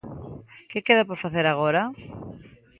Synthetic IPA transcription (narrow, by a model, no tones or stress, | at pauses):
kekeðapoɾfaθeɾaɣ̞oɾa